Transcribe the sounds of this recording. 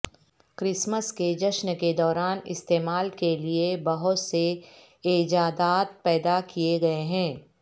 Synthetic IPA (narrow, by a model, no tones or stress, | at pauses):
kɾɪsməsked͡ʒɐʃnəked̪ɔːɾaːnɪ̰st̪eːmaːlkeliebɐɦʊt̪se | eːd͡ʒaːd̪aːt̪̚pɛːd̪akieɡɐeɦɛ̃ː